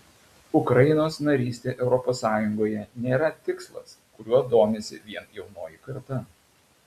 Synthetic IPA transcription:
ʊkɾɐɪnoːsnɐɾʲiːsʲt̪ʲeːʔɛʊɾɔpoːsːɑːjʊŋɡoːjɛnʲeːɾɐt̪ʲɪkslˠɐ̰s | kʊɾʲuɔd̪oːmʲeːsʲɪ̰ʋʲiɛnjɛʊnoːjɪkɐɾt̪ɐ

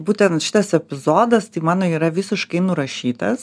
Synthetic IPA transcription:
buːt̪ʲɛnt̪ʃʲɪ̥t̪ɐsɛpʲɪzoːd̪ɐst̪ɐɪmɑːnoːiːɾɐʋʲɪsʲɪʃkɐɪnʊɾɐʃʲiːt̪ɐs

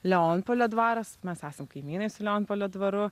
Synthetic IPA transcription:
lʲɛoːnpoːlʲoːd̪ʋɑːɾɐsmʲɛsæːsʲɛmkɐɪmʲiːnɐɪsʊlʲɛoːnpoːlʲoːd̪ʋɐɾʊ

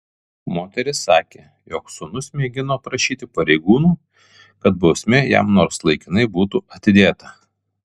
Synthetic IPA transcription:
moːt̪ʲɛɾʲɪsːɑːkʲeː | joːksʊnʊsʲmʲeːɡʲɪnoːpɾɐʃʲiːt̪ʲɪpɐɾʲɛɪɡuːnuː | kɐt̪bɒʊsʲmʲejæ̰mnoːɾslˠɐɪkʲɪnɐɪbuːt̪uɐt̪ʲɪd̪ʲeːt̪ɐ

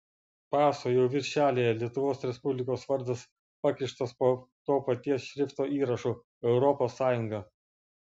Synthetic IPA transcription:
pɑːsoːjɛʊʋʲɪɾʲʃʲæːlʲejɛlʲiɛt̪ʊʋoːsɾʲɛspʊbʲlʲɪkoːsʋɐɾˑd̪ɐs | pɑkʲɪʃt̪ɐspot̪oːpɐt̪ʲiɛsʃʲɾʲɪft̪oːʔiːɾɐʃu | ɛʊɾɔpoːsːɑːjʊŋɡɐ

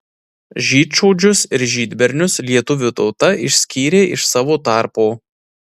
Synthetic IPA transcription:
ʒʲiːt̪t͡ʃɔʊd͡ʒʲʊsɪɾʒʲiːd̪ʲbʲɛɾʲnʲʊslʲiɛt̪ʊʋʲʊt̪ɒʊt̪ɐɪʃʲsʲkʲiːɾʲeːʔɪʃsɑːʋoːt̪ɑˑɾpoː

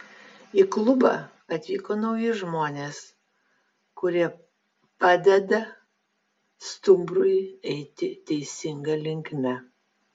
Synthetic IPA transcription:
iklˠʊbɑ̰ | ɐt̪ʲʋʲiːkoːnɐʊjɪʒmoːnʲeːs | kʊɾʲiɛ | pɑːd̪ʲɛd̪ɐ | st̪ʊmbɾʊjɛɪt̪ʲɪt̪ʲɛɪsʲɪŋɡɐlʲɪŋʲkmʲɛ

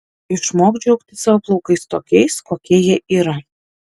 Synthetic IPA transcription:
ɪʃmoːkd͡ʒʲɛʊkt̪ʲɪsɐʋoːplˠɒʊkɐɪst̪oːkʲɛɪskoːkʲiɛjɛʔiːɾɐ

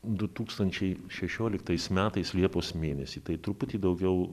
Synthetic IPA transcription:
d̪ʊt̪uːkst̪ɐnʲt͡ʃʲɛɪʃʲɛʃʲoːlʲɪkt̪ɐɪsmʲæːt̪ɐɪslʲiɛpoːsmʲeːnʲɛsʲiːt̪ɐɪt̪ɾʊpʊt̪ʲiːd̪ɐʊɡʲɛʊ

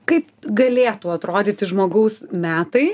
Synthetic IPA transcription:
kɐɪpɡɐlʲeːt̪uɐt̪ɾoːd̪ʲet̪ʲɪʒmoːɡɐʊsmʲæːt̪ɐɪ

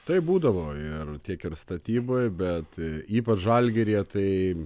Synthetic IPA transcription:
t̪ɐɪbuːd̪ɐʋoːɪrt̪ʲiɛkɪɾst̪ɐt̪ʲiːboɪbʲɛt̪iːpɐt͡ʃʒɐlʲɡʲeɾʲiɛt̪ɐɪ

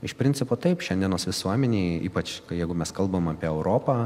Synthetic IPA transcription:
ɪʃpʲɾʲɪnʲt͡sʲɪpoːt̪ɐɪpʃʲɛnʲd̪ʲiɛnoːsʋʲɪsuɔmʲɛnʲiːḭːpɐt͡ʃkɐjɛɪɡʊmʲɛskɐlˠbɐmɐːpʲiɛɛʊɾoːpɐː

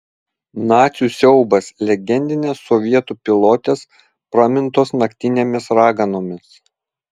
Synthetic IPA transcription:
nɑːt̪sʲuːˑsʲɛʊbɐslʲɛɡʲɛnʲd̪ʲɪnʲeːsːɔʋʲiɛt̪uːpʲɪlˠoːt̪ʲeːs | pɾɐmʲɪnt̪oːsnɐkʲt̪ʲɪnʲeːmʲɪsɾɑːɡɐnoːmʲɪs

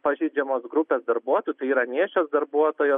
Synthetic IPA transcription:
pɐʒʲɛɪd͡ʒʲɛmoːsɡɾʊpʲeːsd̪ɐɾbuɔt̪oːjʊt̪ɐɪiːɾɐnʲiːʃʲoːsd̪ɐɾbuɔt̪oːjoː

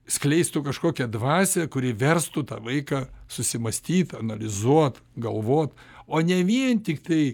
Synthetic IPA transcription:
sʲklʲɛɪst̪ʊkɐʃkoːkʲɛd̪ʋɑːsʲɛkʊɾʲɪʋʲɛrst̪ʊt̪ɑ̰ʋɐɪkɑsʊsʲɪmɐsʲt̪ʲiːt̪ɐnɐlʲɪzuɔt̪ɡɐlˠʋoːt̪ | oːnʲɛʋʲiɛnt̪ʲɪkt̪ɐɪ

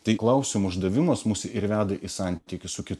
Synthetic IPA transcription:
t̪ɐɪklˠɐʊsʲɪmʊʒd̪ɐʋʲɪmɐsmʊsʲɪɪɾʋʲæːd̪ɐʔɪsɑˑnʲt̪ʲikʲɪssʊkʲɪt̪

